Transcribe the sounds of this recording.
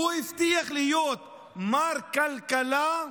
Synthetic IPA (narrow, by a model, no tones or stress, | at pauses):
uift̪iaχlɪjot̪ | maɾkalkala